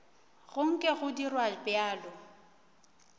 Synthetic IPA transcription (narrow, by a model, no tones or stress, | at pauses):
ɣʊŋ̩kʼɪɣʊdirwabjaːlɔ